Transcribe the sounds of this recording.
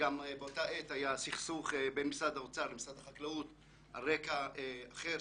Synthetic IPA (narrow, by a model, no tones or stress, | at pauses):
ɡambeotaʔet̪hajasiχsuχebenmisad̪haot͡salemisadhaχaklaut̪ | ha̰ʁekaeaχe